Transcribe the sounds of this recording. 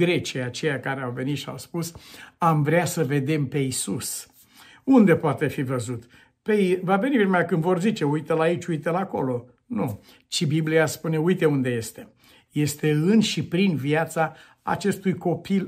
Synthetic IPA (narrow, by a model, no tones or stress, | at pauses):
ɡɾe̞t͡ʃiat͡ʃe̞jakaɾeawve̞nit̪ʃia̰wspusamvɾeasəve̞d̪e̞mpe̞isus | und̪e̞poat̪e̞fivəzut̪ | peivave̞nivenmeakɨnd̪vo̞rzit͡ʃe̞ujt̪elait͡ʃʲujt̪elako̞lo̞ | nu | t͡ʃibiblijaspune̞ujt̪e̞und̪e̞je̞st̪e̞ | je̞st̪e̞ɨnʃipɾinviat̪sa | a̰t͡ʃe̞st̪ujko̞pil